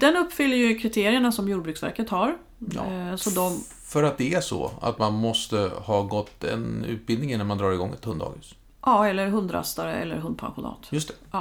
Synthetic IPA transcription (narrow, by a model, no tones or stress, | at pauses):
d̪̥ɛnɵpːfʏlːəjɵkʰɾɪt̪ʰeːɾɪəɳasɔmjuːɖbɾʉksvæ̰ɾkət̪haɾ | j̰sɔd̪ɔm | fœɾat̪̚d̪ɛæʂɔ̰a̰t̪manmɔst̪əhɑːɡɔt̪ːɛ̰nʉ̟ːt̪̚bɪld̪ɪŋinaɾmand̪ɾɑːɾɪɡɔŋːɛ̰t̪hɵnd̪ɑ̰ːɡəs | ʔɑːɛlːəɾɦɵnd̪ɾa̰st̪aɾəɛ̰lːə̰ɾɦɵnd̪pʰa̰nɧʊnɑ̰ːt̪jɵst̪ɛʔɑː